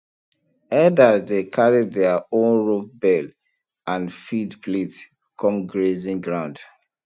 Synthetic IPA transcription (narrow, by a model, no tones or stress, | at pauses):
ɛdazdekʰaɹiddɛaõnɹop̚bɛl | ãnfidplets | kʰɔ̃mɡɹezĩnɡɹãʊ̃nd